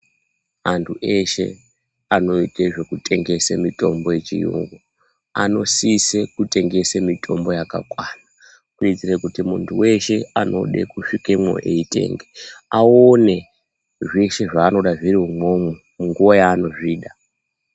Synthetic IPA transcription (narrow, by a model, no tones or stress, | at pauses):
antʰuʔe̞ʃe̞̰ | ano̞iteʐe̞kutʰe̞ŋɡe̞semito̞mbo̞je̞t͡ʃḭjṵŋɡo | a̰no̞sisekute̞ŋɡe̞semitʰo̞mbo̞jaka̰kwana | kuit͡sirekutimuntʰuwe̞ʃe̞ano̞̰ɗḛkuʂikemwo̰ʔḛite̞̰ːŋɡeaone̞ | ʐeʃe̞ʐaːno̞ɗaʐiriɦumo̞mwe | muŋɡuwojaːno̞ʐiːɗa